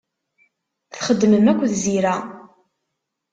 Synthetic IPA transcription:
θχəd̪ːməmækʷːðziɾæ

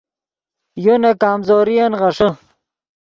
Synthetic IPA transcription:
jonakaːmzoːɾijanʁɐʂə

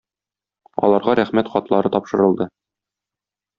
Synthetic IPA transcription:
ɒ̰lˠɑɾʁɑɾæχmæt̪χɒt̪lˠɑɾɤt̪ɒpʃɤ̆ɾɤ̆lˠd̪ɤ

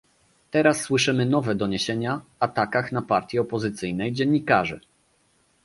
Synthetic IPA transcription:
t̪ɛɾasːwɘʂɘmɘnɔvɛd̪ɔɲeɕeɲaat̪akaxnapaɾt̪ʲjɛɔpɔzɘt̪sɘjnɛjd͡ʑɛɲːikaʐɘ̰

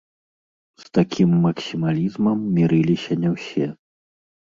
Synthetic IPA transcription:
st̪akʲʰimːɐksʲimalʲizmɐmːʲiɾɨlʲisʲɐnʲɛwsʲɛ

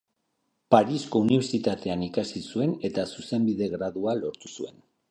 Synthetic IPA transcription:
paɾisko̞uniβeɾt͡sit̪at̪e̞anikasisue̞ne̞t̪asuse̞mbiðe̞ɣɾaðualo̞ɾt̪usue̞n

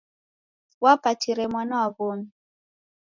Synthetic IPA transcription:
wapatʰiɾɛmwanawaβomi

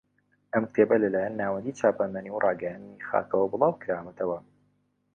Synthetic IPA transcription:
ʔɐmkt̪ʰebɐlɐlaːjanːaːwɐnd̪it͡ʃʰaːpanmaniwrʔɑːɡɛjand̪nixa̰ːkʰɐwɐbɨlˠɑːwkɾamɐt̪ʰɐwɐ

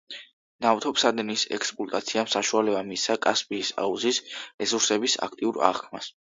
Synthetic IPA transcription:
naft̪ʰɔpsad̪ɛnisɛ̰kspʼut̪ʼat̪sʰiamsaʃualɛbamisakʼaspʼiːsa̰uzisɾɛsuɾsɛbisa̰k̚ʰt̪ʼiuɾa̰ʁkʰmas

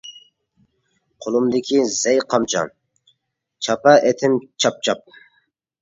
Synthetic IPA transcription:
qʰolˠumd̪ɪkʲʰizɛjqʰɑmt͡ʃʰɑ̰n | t͡ʃʰɑpɑʔet̪ʰɪmt͡ʃʰɑp̚t͡ʃʰɑp̚

